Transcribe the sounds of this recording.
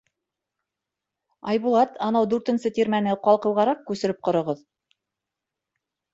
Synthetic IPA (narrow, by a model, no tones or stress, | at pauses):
ɑjbulˠɑt̪ʰɑnɑwd̪ʉɾt̪ɘ̆nsɘt̪iɾmænɘqɑlˠqɤ̆wʁɑɾɑq̚kʉsɘ̆ɾɘp̚qŏɾŏʁɤð